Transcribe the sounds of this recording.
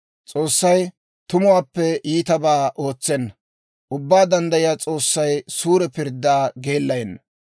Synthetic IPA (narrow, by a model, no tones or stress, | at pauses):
t͡sʼo̞ːsːɐj | t̪ʊmʊwaːpːɛʔiːt̪ɐbaːʔo̞ːt͡sːɛnːɐ | ʔʊbːaːd̪ɐnd̪ɐjɪjaːt͡sʼo̞ːsːɐjsuːɾɛpɪɾd̪ːaːɡe̞ːlːɐjɛnːɐ